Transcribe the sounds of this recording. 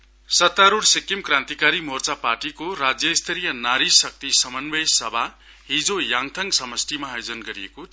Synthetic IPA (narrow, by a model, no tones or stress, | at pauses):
sʌt̪ːaɾuɽsekimkrãnt̪ikaɾimort͡saparʈikoɾad͡zjʌist̪ʰeɾijʌnaɾisʌk̚t̪isʌmʌnbʌjsʌbʱa | ɦid͡zojaŋt̪ʰʌŋsʌmʌsʈ̪imaːjod͡zʌnɡʌɾijeko